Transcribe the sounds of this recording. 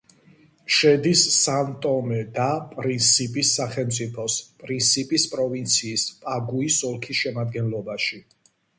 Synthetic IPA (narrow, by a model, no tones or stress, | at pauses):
ʃɛd̪isːamt̪ʼɔmɛd̪apʼɾint̪sʰipʼisːaχɛlmt̪sʼipʰɔspʼɾint̪sʰipʼispʼɾɔvint̪sʰiːspʼaɡuisɔlˠkʰisʃɛmad̪ɡɛnlɔbaʃi